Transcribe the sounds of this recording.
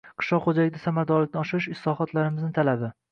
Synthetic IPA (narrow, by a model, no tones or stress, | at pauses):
qʰɨ̥ʃlɒqχod͡ʒalɪɡʲd̪asamaɾd̪ɒɾlɪk̚ʲnɪɒʃɪɾɪʃɪslˠɒχɒt̪laɾɪmɪznɪt̪ʰalabɪ